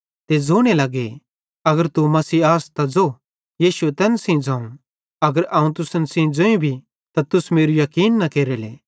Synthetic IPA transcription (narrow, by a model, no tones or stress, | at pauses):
t̪ed͡zoːɽ̃elɐɡe | ɐɡəɾt̪umɐsiːaːst̪ad͡zo | jiːʃuet̪ɛːnsĩd͡zãːũ | ɐɡəɾɐːũt̪ʊsənsĩd͡zoːĩbʱi | t̪at̪ʊsmeːɾujɐkiːnːɐkeːɾelḛː